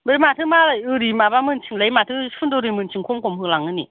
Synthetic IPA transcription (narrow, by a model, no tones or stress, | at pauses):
ɓemaːt̪ʰɨmaːləʔɨdimaːɓaːmɨnt͡ɕɨŋləjmaːt̪ʰɨɨndoɾimɨnt͡ɕʰɨŋxowŋ͡mkɔmhɨŋlaŋəni